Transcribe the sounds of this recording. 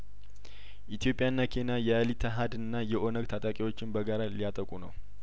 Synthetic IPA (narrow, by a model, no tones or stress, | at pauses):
ʔit̪ʰjo̞pʼjanːakʰe̞najɛalit̪ʰəɦad̪ɨnːajɛʔo̞nəɡt̪ʰat̪ʼakʼiwo̞t͡ʃːɪnbəɡaɾalijat̪ʼəkʼunəw